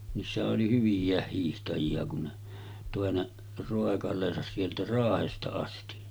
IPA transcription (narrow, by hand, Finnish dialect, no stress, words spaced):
niːsːæhæʔ ʔoli hyʋijˑæˑeh hiːhtɑjiɑ kun ne toˑe ne roˑekɑlˑeːsɑs sieltæ rɑːhestɑ ɑsti